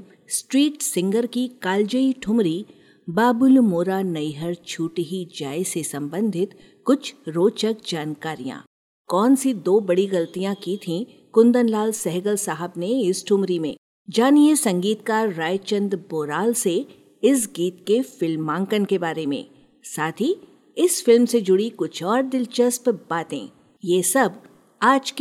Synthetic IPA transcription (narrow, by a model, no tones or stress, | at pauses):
sʈɾiːʈsɪ̃ŋɡəɾkikaːld͡ʒəiʈʰʊmɾi | baːbʊlmoːɾanɐiɦəɾt͡ʃʰuːʈiɦid͡ʒaːesesɐ̃mbə̃nd̪ʱɪt̪ | kʊt͡ʃʰɾoːt͡ʃək̚d͡ʒaːnkaːɾijã̰ː | kɔːnsid̪oːbɐɽiɣɐlt̪ijãkit̪ʰĩ | kʊ̃nd̪ənlaːlsɛɦɡəlsaːɦəbneɪsʈʰʊ̃mɾimḛ̃ | d͡ʒaːniesɐ̃ŋɡiːt̪kaːɾːaːjt͡ʃə̃nd̪boːɾaːlse | ɪs̬ɡiːt̪kefɪlmːãːŋkənkebaːɾemḛ̃ː | saːt̪ʰi | ɪsfɪlmsed͡ʒʊɽikʊt͡ʃʰɔːɾd̪ɪlt͡ʃəspbaːt̪ḛ̃ː | jeːsɐb | aːd͡ʒk